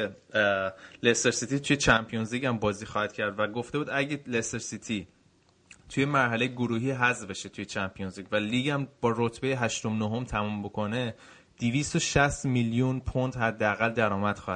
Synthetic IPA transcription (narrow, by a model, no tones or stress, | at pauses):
e | leseɾsit̪ʰit̪ʰujet͡ʃʰæmpʰijonzliɟæmbɒːziːxɒːhæd̪̚cʰæɾd̪væɡoft̪ebuːd̪æɟeleseɾsit̪ʰi | t̪ʰuje̞mæɾɦæle̞jeɡoɾuːɦiːɦæzbe̞ʃet̪ʰujet͡ʃʰæmpʰijonzliɟvæliːɟæmbɒːɾot̪ʰbe̞jeɦæʃt̪omnoɦomt̪ʰæmumbokʰo̞ne̞ | d̪̥ivist̪oʃæst̪miljunpʰond̪hæd̪ːeæɣæld̪æɾɒːmæd̪̥xɒːhæd̪